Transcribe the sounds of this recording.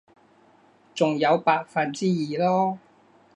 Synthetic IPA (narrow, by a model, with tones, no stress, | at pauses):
t͡sʊ˨ŋjɐ˨˧wpaː˧k̚fɐː˨nt͡siː˥jiː˨lɔː˥